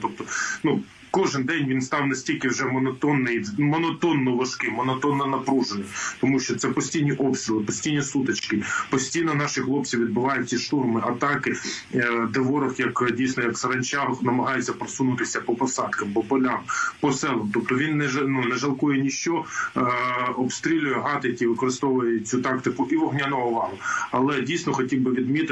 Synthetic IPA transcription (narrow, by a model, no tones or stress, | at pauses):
t̪ɔp̚t̪ɔnu | kɔʒɪnd̪ɛnʲʋʲinst̪ɑwnɐsʲtʲilʲkɪwʒɛmɔnɐt̪ɔnːɪjimɔnɔt̪ɔnːɔʋɐʃkɪmɔnɔt̪ɔnːɐnɐpɾuʒenɔsʲt̪ɔmuʃt͡ʃɔt̪sɛpɔsʲtʲijnʲiʔɔpst̪ɾʲɪlˠɪpɔsʲtʲijnʲisut̪ɐt͡ʃkɪpɔsʲtʲijnɔnɑʃɪxlˠɔpt͡sʲiʋʲid̪̚bɪʋɑjʊt͡sʲːiʃt̪urmɪʔɐt̪ɑkɪ | d̪eʋɔɾɔxjɐkdʲijsnɔjɐksɐɾɐnʲt͡ʃɑɦɔxnɐmɐɦɑjʊt͡sʲːɐpɾɔsunʊt̪ɪsʲɐpɔpɔsɑd̪kɐmbɔpɔlʲampɔsɛlˠɔmt̪ɔp̚t̪ɔʋʲinːɛʒnunɛʒɐlˠkɔjɛnʲiʃt͡ʃɔ | ɔpst̪ɾʲilʲʊjɛɦɑt̪ɪjɐkʲiʋɪkɔɾɪst̪ɔʋʊjɛt͡sʲut̪ɑkt̪ɪkʊʔiʋɔɦnʲanɔɦɔʋɑɦʊɐlˠɛdʲijsʲnɔxɔtʲiwbɪʋʲid̪mʲit̪